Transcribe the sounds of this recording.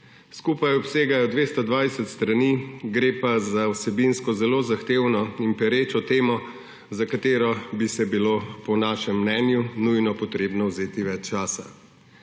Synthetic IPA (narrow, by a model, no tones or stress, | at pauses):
skupajɔpseːɡajɔd̪ʋest̪ɔd̪ʋaːjsɛt̪st̪ɾaniɡɾeːpazawsɛbinskɔzɛloːzaxt̪eːwnɔimpɛɾet͡ʃɔt̪eːmɔ | zakat̪eːɾɔbisɛbilopɔnaːʃɛmːnɛːnjunujnɔpɔt̪ɾeːbnɔwzeːt̪iʋɛt͡ʃt͡ʃaːsa